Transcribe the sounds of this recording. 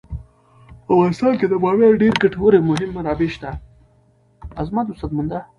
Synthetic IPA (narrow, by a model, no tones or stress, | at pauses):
pəavɣɑnɪst̪ɑnked̪əbɑweɾɖeɾɡaʈwəɾemʊɦɪmːaɾɑbeʃt̪a | azmat̪usad̪̚mand̪a